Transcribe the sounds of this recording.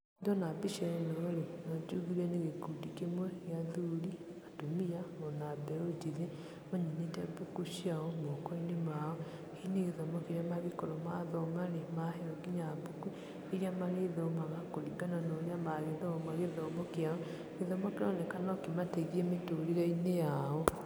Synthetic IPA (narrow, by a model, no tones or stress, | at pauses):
ndɔnabiʃaɾɛnɔːɾenɔd͡ʒuɣiɾaneɣekudikemwɛɣeaðuɾiatomiaɔnabɛɾod͡ʒiðe | maɲeɲetɛbukuʃiaɔmɔkɔinemaɔ | hineɣeðɔmɔkeɾamaɣikɔɾɔmaðɔmaɾemaɦeɔɡiɲabuku | eɾiamaɾeðɔmaɣakoɾiɡananoɾeamaɣeðɔmaɣeðɔmɔkeaɔ | ɣeðɔmɔkeɾɔnekanɔkimateɣiemetoɾiɣainejaɔ